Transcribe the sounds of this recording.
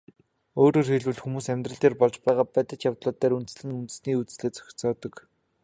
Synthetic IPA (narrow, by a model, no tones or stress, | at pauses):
oːɾoːrxeɮwɘ̆ɮxumuːsæmʲt̪rə̆ɮt̪eːrpɔɮt͡ɕpæːʁaːpæːt̪ə̆t͡ɕjawt̪ɮʊːt̪æːɾunt̪ɘ̆sɮɘ̆ŋunt̪ɘ̆sniːut͡ssɮeːt͡sœ̥xʲɪ̥̆t͡sɔːt̪ɞ̆k